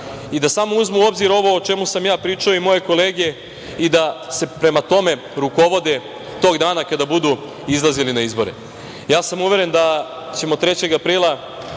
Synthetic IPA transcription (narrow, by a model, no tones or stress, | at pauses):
id̪asamouzmuo̞bziɾo̞ʋo̞ot͡ʃe̞musamjaːpɾiːt͡ʂaoimo̞je̞ko̞leːɡe̞ | id̪ase̞pɾe̞mat̪o̞me̞ | ɾuko̞ʋo̞d̪e | t̪o̞ːɡd̪aːnakad̪abud̪u | izlˠazilinaizbo̞ɾḛ | jaːsamuʋe̞ɾe̞nd̪a | t͡ɕe̞mot̪ːɾe̞t͡ɕe̞ɡapɾiːlˠa